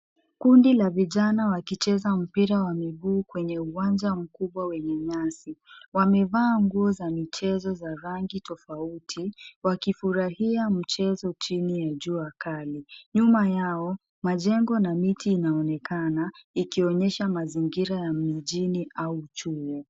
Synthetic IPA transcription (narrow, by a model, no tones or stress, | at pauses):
kundilaviʄanawakit͡ʃɛzam̩piɾawamiɠuːkwɛɲɛuwand͡ʒam̩kuɓwawɛɲɛɲasiwamɛvaːŋɡuɔzamit͡ʃɛzɔzaɾaŋɡitɔfautʰiwakifuɾahiam̩t͡ʃɛzɔt͡ʃinijaʄuːakaliɲumajaɔ | maʄɛŋɡɔnamitiːnaɔnɛkanaikiɔɲɛʃamaziŋɡiɾajamiʄiniʔaut͡ʃujɛ